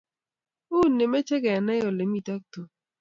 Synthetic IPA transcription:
u˦˨nːe˨mɛ˦t͡ʃɛ˦ɡɛ˨nɛ˦jo˨le˨mi˨ta˦k̚to˨

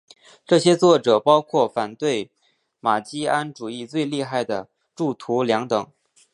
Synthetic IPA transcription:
ʈ͡ʂɤ˥˩ɕjɛ˥t͡swɔ˥˩ʈ͡ʂɤ˨˩pɑ˥ʊkʰwɔ˥˩fa˨˩nt̪we˥˩ɪ | ma˨˩t͡ɕi˥a˥nʈ͡ʂu˨˩i˥˧t͡swe˥˧ɪli˥˧xa˥˩ɪd̪ə˩ | ʈ͡ʂu˥˩t̪ʰu˧˥ljɑ˧˥ŋt̪ɤ˨˩˦ŋ

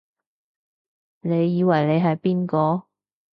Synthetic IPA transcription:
ne˨˧jːiː˨˧wɐ˨˩jle˨˧jɦɐ˨jpiː˥nkɔː˨˧

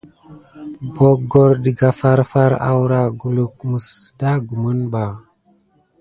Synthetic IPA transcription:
bo˨ɡo˨ɾdi˨ɡa˨fa˦ɾfa˦ɾa̰˨wɾa˨ɡu˨lu˨k̚mu˨sda˦ɡu˨mu˦nba˨

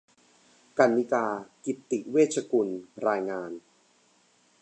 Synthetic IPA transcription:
ka˧nːi˦kaː˧ki˨˩t̪ːi˨˩weː˥˩t̪̚t͡ɕʰa˧ku˧nɾaː˧jŋaː˧n

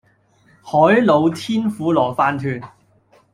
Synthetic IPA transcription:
hɔː˨˥jlo˨˧wt̪ʰiː˥nfuː˨˥lɔː˨˩faː˧nt̪ʰyː˧n

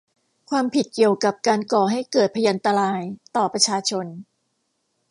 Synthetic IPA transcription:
kʰwaː˧mpʰi˨˩t̪̚ki˨˩əwka˨˩p̚kaː˧nkɔː˨˩ɦa˥˩jkɤː˨˩t̪̚pʰa˧ja˧nt̪a˧ɾaː˧jt̪ɔː˨˩pɾa˧t͡ɕʰaː˧t͡ɕʰo˧n

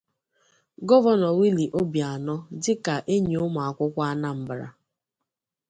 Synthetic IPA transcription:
ɡɔ˦vɔ˦nɔ˨wi˦li˨ʔo˦bja˨nɔ˦d͡ʒɪ˦ka˨ʔe˦ɲe˨ʊ˦m˨a˨kʷʊ˦kʷa˦a˦na˦m̩˨bɾa̰˨

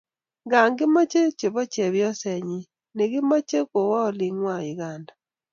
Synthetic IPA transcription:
ŋɡaː˨ŋɡɪ˦mɔ˦t͡ʃe˦t͡ʃe˨βɔ˦t͡ʃɛ˨βjɔ˦sɛ˨ɲi˦ | ne˨ɣi˦ma˦t͡ʃe˦ko˨wɔ˦o˨li˨ŋwa˦i˨ɣanda

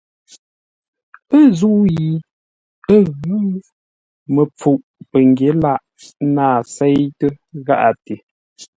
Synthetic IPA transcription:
ə˦zu˦ʔji˨ | ə˦ɣʉ˨˦ | mə˨p͡fu˨ʔ | pə˨ŋɡje˨˦la˦˨ʔ | naː˦˨sɛ˦jtə˦ | ɣa̰˦ʔa̰˨te˨

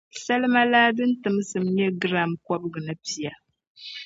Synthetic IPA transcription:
sa˦lɨ˦ma˦laː˦dɨ˦n̩˦tɨ˨mɨ˦sɨ˨m˦ɲɛ˦ɡɨ˦ɾa˦˨mkɔ˦bɨ˦ɡɨ˨nɨ˦pi˨ja˨

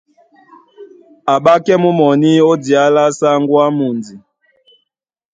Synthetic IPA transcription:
a˨ɓa˦kɛ˦mu˦mɔ˨ni˦o˦di˨a˦la˦sa˦ŋɡwa˦mu˨nd͡zi˨

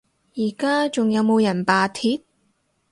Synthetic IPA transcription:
jiː˨˩kaː˥t͡sʊ˨ŋjɐ˨˧wmo˨˧wjɐ˨˩npaː˨t̪ʰiː˨˧˥t̚

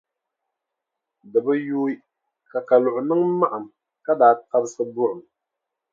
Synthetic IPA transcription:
dɨ˨bɨ˦juː˦i˦ | ka˨ka˨lʊ˨ʔʊ˨nɨ˦ŋ˦ma˦ʔa˨m | ka˦daː˨ta˦bsɨ˦bʊ˦ʔʊ˨m

